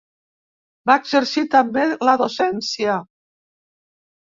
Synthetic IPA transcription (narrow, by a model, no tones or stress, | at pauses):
baeɡzəɾsit̪əmbeləðosɛnsiə